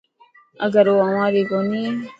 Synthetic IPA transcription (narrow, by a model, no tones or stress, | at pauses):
əɡəɾoːəʋãːɾiːkoniː